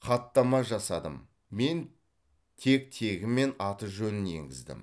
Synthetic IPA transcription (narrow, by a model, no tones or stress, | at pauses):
qʰɑt̪ːɑmɑʒɑsɑd̪əm | me̞n | t̪ʰe̞k̚t̪ʰe̞ɡʲɪme̞nɑt̪əʒɵnɪne̞̰ŋɡʲɪ̰zd̪ɪ̰m